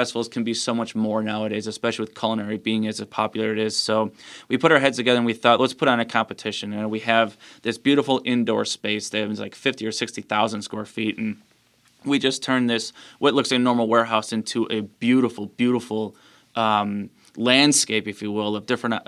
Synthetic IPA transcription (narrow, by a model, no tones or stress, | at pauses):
ɛstəvl̩ˠz̥kʰn̩bisoʊmʌt͡ʃmɔɹnaʊəɾeɪzɨspɛʃl̩ˠiwɨð̥kʰʌlˠə̃nɛɹibiɪ̃ŋɨzɨ̥pʰɑpjl̩ˠə˞ɨɾɪz̥soʊwipʰʊɾaʊə˞ɦɛdz̥tʰɨɡɛðə˞ə̃nwiθɔtlətspʰʊɾn̩ɨkʰɑ̃mpɨtʰɪʃɨ̃nɨ̃nwiɨvðɪsb̥jʉɾəfl̩ˠɪ̃ndɔ̰ɹspeɪsðɨɨvn̩zlaɪkfɪftiə˞sɪkstiθaʊzə̃nd̥skwɛɹfitn̩ | wid͡ʒʌstʰɜ̃˞nðɪswʔʌtˡlʊksaɪnɔɹml̩ˠwɛɹɦaʊsɪ̃ntʰuʔɨbjʉɾəfl̩ˠbjʉɾəfl̩ˠ | ʔʌ̃m | læ̃nd̥skeɪpɨfjiwɪlˠʌvdɪfɹə̃n